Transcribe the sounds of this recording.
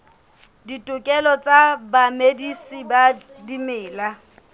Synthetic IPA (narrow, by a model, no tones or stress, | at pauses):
ditʼʊkʼɛlɔt͡sʼabamedisiba | dimɪːla